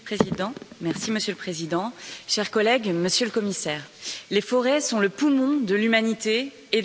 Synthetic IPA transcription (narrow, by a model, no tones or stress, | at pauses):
pχezid̪ɑ̃mɛʁsiməsjøləpχezid̪ɑ̃ʃɛʁkɔlɛɡməsjøləkɔmisɛːʁlefɔʁɛsɔ̃ləpumɔ̃d̪əlymanit̪eː